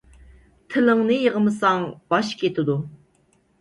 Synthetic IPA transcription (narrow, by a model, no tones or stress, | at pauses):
t̪ʰɪləŋnɨjəʁəmɨsɑŋb̥ɑʃkʲʰet̪ʰɪd̪u